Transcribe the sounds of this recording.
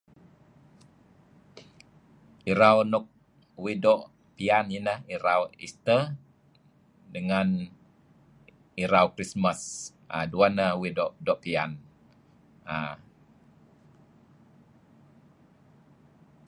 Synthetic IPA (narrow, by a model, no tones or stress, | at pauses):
iɾawnɔk̚ | widɔʔ | pianinahiɾawḭst̪ə | dəŋan | iɾawkɾismas | ʔa̰duanawidɔʔdɔʔpian | a